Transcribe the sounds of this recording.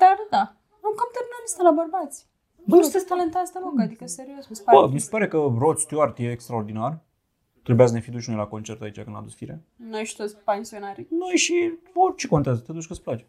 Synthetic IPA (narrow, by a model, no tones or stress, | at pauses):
d̪̥ard̪a | uŋkamt̪ernaɾest̪elabərbat̪sʲ | ut̪esʲt̪alent̪azd̪əɾokad̪ikəse̞ɾiosmsbəmise̥paɾe̞kəɾo̞t̪st̪joart̪jeːkst̪ɾaord̪inar | t̪ɾebeasne̞fid̪uʃnojlako̞nt͡ʃe̞rt̪ait͡ʃakɨna̰d̪usfiɾe | nojʃi̥t̪ot̪sʲpensionaɾʲinojʃiot͡ʃeko̞nt̪eazət̪ed̪ut͡ʃʲkɨt̪splat͡ʃe